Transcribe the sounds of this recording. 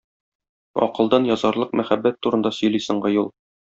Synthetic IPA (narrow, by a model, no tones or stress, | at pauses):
ɒ̰qɤ̆lˠd̪ɑnjɒzɑɾlˠɤqmæχæbːæt̪ːuɾɤ̆nd̪ɑsɵ̆jlisɤ̆ɴɢɤjulˠ